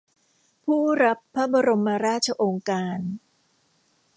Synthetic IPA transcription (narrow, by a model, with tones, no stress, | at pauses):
pʰuː˥˩ɾa˦˥pʰːa˦˥ba˧ɾo˧mːa˧ɾaː˥˩t̪̚t͡ɕʰa˧ʔoː˧ŋkaː˧n